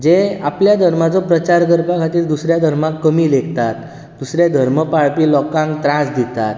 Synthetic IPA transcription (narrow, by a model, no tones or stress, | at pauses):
d͡ʑeapljad̪ʱəɾmat͡sɔpɾət͡ɕaɾk̬əɾpakʰat̪iːɾd̪usɾjad̪ʱəɾmãkːəmiːlekt̪at̪̚ | d̪usɾjad̪ʱəɾməpaɭpiːlɔkãŋkt̪ɾãsd̪it̪at̪